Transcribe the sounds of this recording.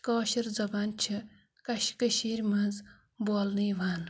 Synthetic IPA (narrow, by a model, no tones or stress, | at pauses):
kɔːʃiɾd͡zɐbaːnt͡ʃʰi | kɐʃkɐʃeːɾʲmɐz | boːlniːʋaːn